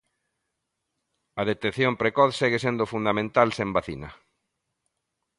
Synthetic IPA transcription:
ɐðet̪eθjompɾekɔθsɛɣesend̪ofund̪amẽnt̪alsẽmbaθḭnɐ

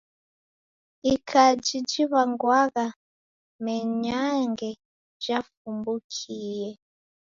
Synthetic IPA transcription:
ikʰad͡ʒid͡ʒiβaŋɡwaɣa | mɛɲaŋɡɛ | ʒafumbukʰiːjɛ

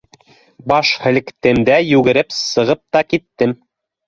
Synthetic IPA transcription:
bɑʃhɘ̆lɘ̆kt̪ɘ̆md̪æjʉɡɘ̆ɾɘpsɤ̆ʁɤp̚t̪ɑkit̪ːɘm

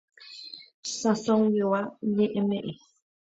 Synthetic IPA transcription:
sasoŋjewaɲẽʔemẽʔe

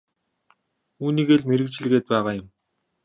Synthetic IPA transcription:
uːniːɣeːɮmeɾɘ̆k̚t͡ɕ̆ɮɣeːt̪̚pæːʁaːjʊ̆m

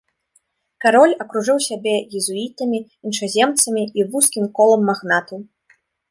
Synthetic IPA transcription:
kaɾɔlʲɐkɾuʐɨwsʲabʲɛjɛzuit̪ɐmʲi | inʂazʲɛmt̪sɐmʲiivuskʲimkɔlˠɐmːaɣnat̪u

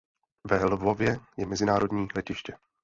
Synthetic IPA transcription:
vɛlvovjɛjɛmɛzɪnaːɾo̞dɲiːlɛcɪʃcɛ

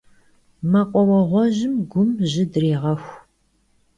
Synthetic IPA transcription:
mɐqʷʼɔwɐʁʷɔʑɪmɡʷʊmʑɪdreːʁɐxʷ

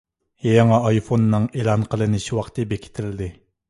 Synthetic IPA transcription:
jejŋɑːjfonːɨŋelˠɑnqʰəlˠɨnɪʃiwɑqt̪ɨbekʲʰi̥t̪ʰɪld̪ɪ

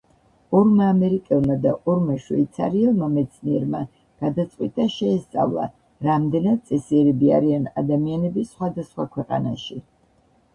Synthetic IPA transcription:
ɔɾmaːmɛɾikʼɛlˠmad̪aʔɔɾmaʃwiit̪sʰa̰ɾiɛlˠmamɛt̪sʰniɛɾma | ɡ̥ad̪at̪sʼqʼwit̪ʼaʃɛːst̪sʼa̰vlˠa̰ | ɾamd̪ɛnad̪̚sʼɛsiɛɾɛbia̰ɾiana̰d̪amianɛbisχwad̪asχwakʰwɛqʼa̰naʃi

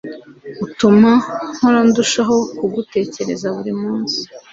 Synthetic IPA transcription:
utumaŋ̥hoɾanduʃaɦo̞kuɡute̞ːce̞ɾe̞̰zaβuɾimuːnsi̥

